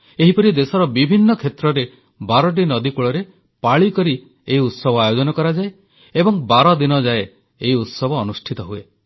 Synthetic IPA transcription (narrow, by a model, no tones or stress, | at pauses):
eɦipɔɾid̪esɔɾɔbibʱinːɔkʰet̪ɾɔɾe | baɾɔʈ̬inɔd̪ikuɭɔɾe | paɭikɔɾi | eɦiut̪sɔbʱɔajod͡ʒɔnɔkɔɾad͡ʒae | ebɔŋbaɾɔd̪inɔd͡ʒae | eɦiut̪sɔbʱɔːnusʈʰit̪ɔɦue